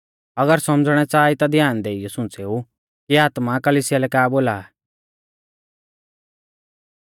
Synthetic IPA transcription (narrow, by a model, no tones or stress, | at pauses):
ɐɡəɾsɔmd͡zɽ̃ɛt͡saːit̪ad̪ʱjaːnd̪eːijɔsʊ̃t͡seːu | kiaːt̪makɐlisɪjalɛkaːboːlaː